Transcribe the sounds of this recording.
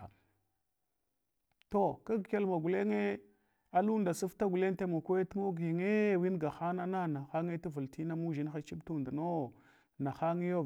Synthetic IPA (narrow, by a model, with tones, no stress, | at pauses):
to˦˨ka˦ɡkʲe˦lma˨ɡu˨le˦ŋe˦ | a˨lu˦nda˨su˦fta˦ɡu˨le˦ŋ˦te˦mo˨kʷe˦tu˦ŋo˦ɡi˨ŋe˦wi˦nɡa˨xa˦na˦na˦na˨xa˦ŋe˦tu˦və˨lti˦na˦mu˦ʒi˦n˦xa˦t͡ʃi˦btu˦nda˨no˦ | na˨xa˦ŋi˦jo˦